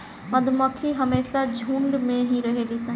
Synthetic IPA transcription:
məd̪ʱməkʰiɦəmeːsad͡ʒʱũːɳɖmẽɦĩɾəɦeːlisə̃

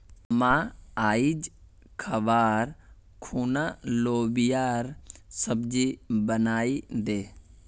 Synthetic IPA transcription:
mãːaːid͡ʒ | kʰəʋaːɾ | kʰuːnaloːbijaːɾsəbd͡ʒibənaːid̪eː

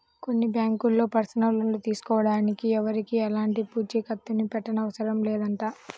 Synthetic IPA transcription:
ko̞nːibjaːŋkulːo̞ːpɐɾsɐnɐlɐllut̪iːsu̥kɔːʋɐɽaːnikiɛʋɐɾikiɛlaːɳʈipuːd͡ʒikɐt̪ːunipɛʈːɐnɐʋɐsɐɾɐmleːd̪ɐɳʈaː

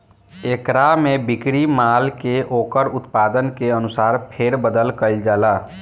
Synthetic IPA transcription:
eːkɾamẽbɪkɽimaːlkeʔoːkəɾʊt̪paːd̪ənkeənʊsaːɾpʰeːɾbəd̪əlkəld͡ʒaːlaː

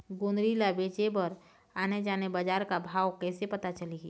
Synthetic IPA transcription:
ɡonɾiːlabeːt͡ʃebəɾ | aːned͡ʒaːnebad͡ʒaːɾkabʱaːwkɛːsepɐt̪at͡ʃəliɡiː

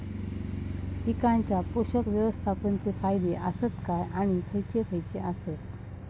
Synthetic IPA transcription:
hikaɲt͡ɕjapoɕəkʋjəʋəst̪ʰapənt͡sefajd̪eʔəsət̪kajaɽ̃ifəjt͡ɕefʰəjt͡ɕeəsət̪

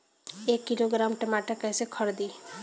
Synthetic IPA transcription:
ekːiloɡɾamʈəmaʈakɛsekʰɔɾd̪i

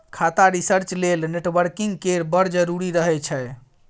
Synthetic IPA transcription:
kʰat̪aɾisəɾt͡ʃlelneʈʋəɾkiŋɡkeɾbəɾd͡ʒəɾuɾiɾəɦɛt͡ʃʰɛ

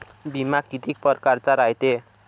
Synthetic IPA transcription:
bimakit̪ik̚pʌrkart͡saɾajt̪e

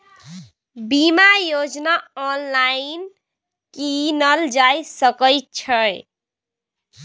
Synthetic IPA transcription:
bimajod͡ʒnaɔnlain | kinəld͡ʒajsəkəjt̚t͡ʃʰəj

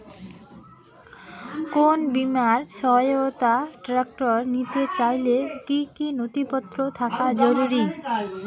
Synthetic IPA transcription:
konbimaɾʃɔɦjot̪aʈɾak̚ʈoɾnit̪et͡ɕajlekikinot̪ipɔt̪ːɾot̪ʰakad͡ʑoɾuɾi

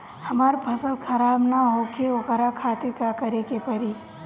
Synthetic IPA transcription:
həmaːɾpʰəsəlkʰɐɾaːbnaɦokeokəɾakʰaːt̪eɾkakəɾekepəɾi

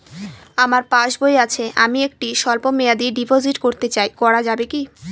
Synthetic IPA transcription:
amaɾpaʃboeat͡ɕʰeʔamiek̚ʈiʃɔlpomejad̪iɖipoziʈkoɾt̪et͡ɕajkɔɾad͡ʑabeki

